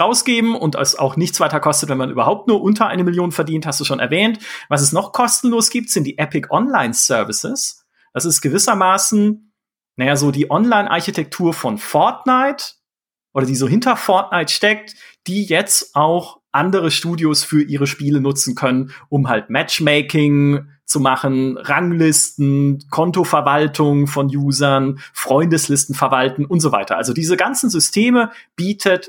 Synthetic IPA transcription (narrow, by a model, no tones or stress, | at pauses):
ʁaʊsɡ̥eːbm̩ʊnta̰sa̰ʊxnɪçt͡sv̥aɪtɐkʰɔstətvɛnmanʔyːbɐɦaʊp̚tnuːɐʔʊntʰɐʔa̰ɪnəmɪljoːnfɛɐdiːnthastd̥uːʃoːnʔɛɐvɛːntvas̬ɛsnɔχkʰɔstn̩loːsɡ̥iːp̚tz̥ɪnt̚d̥iːʔɛpɪkʔɔnlaɪnsœɐvɪsɪs | d̥asɪstɡ̥əvɪsɐmaːsn̩ | najaːzoːdiːʔɔnlaɪnʔa̰ɐçitʰɛk̚tʰuːɐfɔnfɔɐtnaɪt | ʔoːɾɐdiːzoːɦɪntɐfɔɐtnaɪtʃtɛk̚td̥iːjɛt͡stʔaʊxʔandəʁəʃtuːdjosfyːɐʔiːʁəʃpiːlənʊt͡sn̩kʰœnənʔʊmɦaltmɛt͡ʃmɛɪkɪŋ | t͡sumaχən̩ʁaŋlɪstn̩kʰɔntofɛɐvaltʰʊŋfɔnjuːzɐnfʁ̥ɔʏndəslɪstn̩fɛɐvaltn̩ʊntz̥ova̰ɪtɐ̰ʔalzodiːzəɡant͡sn̩zʏstʰeːmə | b̥iːtʰət